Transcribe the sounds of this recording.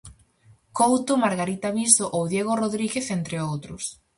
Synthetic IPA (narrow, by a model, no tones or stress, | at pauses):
kowt̪omaɾɣaɾit̪aβist̪oʔowðjeɣ̞oroðɾiɣeθent̪ɾeowt̪ɾʊs